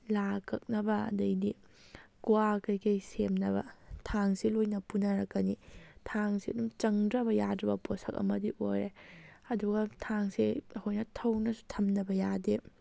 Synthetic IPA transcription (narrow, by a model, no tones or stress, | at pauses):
lakʰɐk̚nɐbɐɐ̰dɐjdi | kuakɐjkɐjsemnɐbɐ̰tʰaŋsilojnɐpunɐɾɐkːɐnitʰaŋsiɐ̰dumt͡ʃɐŋdɾɐbɐjadɾɐbɐpʰosɐk̚ɐ̰mɐdiʔojɾeɐduɡɐtʰaŋsehojnɐtʰɐwnɐsu̥tʰɐmnɐbɐjade